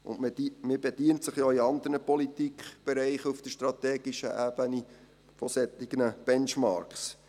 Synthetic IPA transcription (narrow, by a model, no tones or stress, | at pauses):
ʊ̰nmmɪbɛd̥iəntsəχjoːiɑnd̪əɾnəpɔlit̪ikχb̥ɛɾɛɪχuft̪əʃt̪ɾɑt̪ɛːɡ̥ɪʃə̰ʔæb̥əni | fɔsɛt̪ːɪɡ̥nəb̥ɛnt͡ʃmɑ̰ːɾks